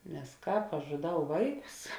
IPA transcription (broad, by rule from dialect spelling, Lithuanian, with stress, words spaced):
nʲɛs ˈkɑːp ɐʃ ʒʊˈdɐʊ ˈʋɐɪˌkʊs